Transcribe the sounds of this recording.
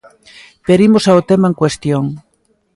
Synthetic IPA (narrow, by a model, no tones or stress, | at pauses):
peɾimosaot̪emaẽŋkwest̪joŋ